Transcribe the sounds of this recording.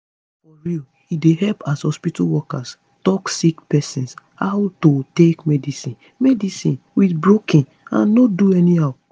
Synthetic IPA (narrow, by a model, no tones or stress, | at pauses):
fɔɹil | ideɦɛlpashɔspitawɔkas | tɔksikpɛsĩns | hawtotekmɛdisĩn | mɛdisĩnwiθbɹokĩn | ã̰nːoduɛnihaw